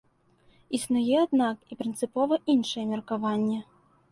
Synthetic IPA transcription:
isnujɛad̪nakipɾɨnt̪sɨpɔvɐʔinʂɐjɛmʲɛrkavanʲːɛ

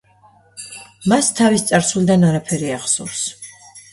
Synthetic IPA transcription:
mast̪ʰavist̪sʼaɾsulid̪anaɾapʰɛɾiaχsṵɾs

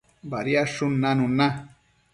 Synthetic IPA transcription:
baɾjaʂunanuna

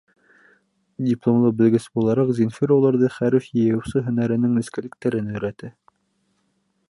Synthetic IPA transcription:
dʲɪplˠomlˠɤbɘ̆lɡɘsbulˠɑɾɑqzʲinfʲiɾulˠɑɾðɤχæɾɘfjɘ̆jɤ̆wsɤɦɵ̆næɾɘ̆nɘŋnɘ̆skælɘ̆k̚t̪æɾɘnɵ̆jɾæt̪ɘ

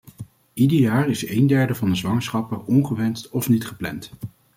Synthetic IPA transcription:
idəjaːɹɪsejndɛɹdəvɑndəzʋɑŋəsχɑpəɹɔnχəʋɛnstɔfnitχəplɛ̰nt

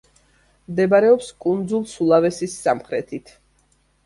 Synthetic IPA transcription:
md̪ɛbaɾɛɔpskʼund̪zulˠsulˠavɛsisːamχɾɛt̪ʰit̪ʰ

